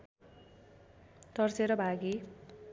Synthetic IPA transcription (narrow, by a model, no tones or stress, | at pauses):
t̪ʌrt͡seɾʌbʱaɡi